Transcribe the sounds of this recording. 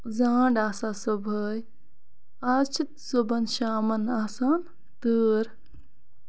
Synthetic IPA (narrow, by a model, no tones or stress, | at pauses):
zaːɳɖaːsaːsɐbʱəj | at͡ʃʰit̪sobɐnʃaːmɐnaːsaːn | t̪əːɾ